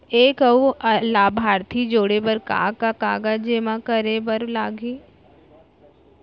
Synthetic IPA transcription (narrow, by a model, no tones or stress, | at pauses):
eːkəulaːbʱaːɾt̪ʰid͡ʒoːɽebəɾka̰ːkakaːɡad͡ʒeːmãkəɾebəɾlaːɡĩː